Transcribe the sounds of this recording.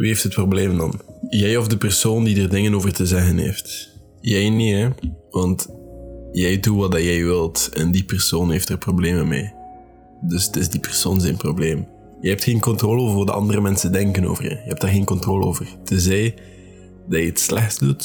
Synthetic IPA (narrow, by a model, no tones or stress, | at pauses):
ʋḭeftɦət̚probleːmndɑ̰njɛjɔvdəpərsoːndidərdɪŋənoːvərtəzɛɣənɦḛːft | jɛjneɛʋɑnt | jɛjduʋɑdɑjɛjʋɪlˠtɛ̰ndipərsoːnɦeːftərprobleːmənmḛː | dɵstɪzdipɛrsoːnzɛnprobleːm | jɛɛp̚txeːnkɔntroːləoːvərvːdəʔɑ̰ndərəmɛnsəndɛŋkəno̰ːvə̰rjə̰jəɦɛp̚taːrɣeːnkɔntroːləo̰ːvərtɪzɛj | dɑjəətslɛxtsdut